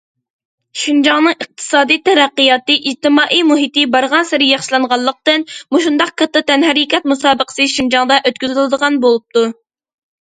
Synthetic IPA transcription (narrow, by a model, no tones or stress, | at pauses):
ʃind͡ʒɑŋnɨŋəq̚t̪ʰɨ̥sɑːd̪ijt̪ʰɛɾæqːijɑːt̪ɨʔid͡ʒt̪ɨmɑːʔijmuɦit̪ɨbɑɾʁɑnsɪɾɪjɑχʃlˠɑɴʁɑlˠːəq̚t̪ɨnmuʃund̪ɑq̚kʰɑt̪ːɨt̪ɛnɦæɾikʲɛt̪̚musɑːbəqʰə̥sɨʃind͡ʒɑŋd̪ɑʔøt̪kʲyzɪlˠɨd̪əʁɑnbolˠup̚t̪u